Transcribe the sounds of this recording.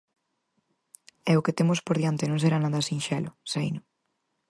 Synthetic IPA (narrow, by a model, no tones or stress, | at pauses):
ɛʊket̪emʊspoɾðjant̪ɪnõŋseɾanaðasĩnʃɛlʊsejnʊ